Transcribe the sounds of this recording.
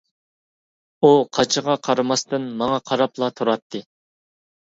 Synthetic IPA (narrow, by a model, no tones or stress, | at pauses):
uqʰɑt͡ʃʰəʁɑqʰɑɾmɑst̪ɨnmɑŋɑqʰɑɾɑplˠɑt̪ʰuɾɑt̪ʰːɨ